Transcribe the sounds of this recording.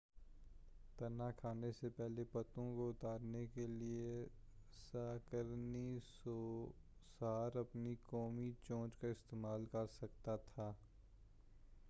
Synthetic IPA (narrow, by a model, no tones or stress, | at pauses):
t̪ɐnakʰaːnesepɛɦlepɐt̪õkoʊt̪aːɾnekelie | saːkəɾniso | saːɾɐpnikɔːmit͡ʃõːt͡ʃkaɪst̪eːmaːlkɐɾsɐk̚t̪at̪ʰaː